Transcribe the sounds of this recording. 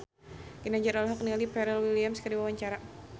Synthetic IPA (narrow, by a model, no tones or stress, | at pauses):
ɡ̥inad͡ʒaɾalɦak̚nialipɛɾɛlwiliamskədiwawaɲt͡ʃaɾa